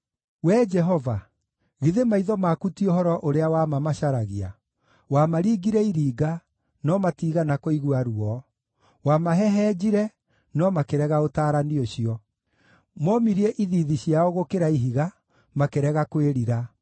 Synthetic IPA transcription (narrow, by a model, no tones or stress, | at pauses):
wɛd͡ʒɛɦɔva | ɣiðemaiðɔmakutiohɔɾɔʔoɾeawamamaɕaɾaɣia̰ | wamaɾiːɡiɾɛiɾiːɡa | nɔmatiɣanakoiɣwaɾuɔ | wamaɦɛɦɛd͡ʑiɾɛ | nɔmakeɾɛɣaotaːɾanioɕiɔ | mɔmiɾiɛʔiðiðiɕjaoɣokeɾaiɦiɣa | makeɾɛɣakweɾiɾa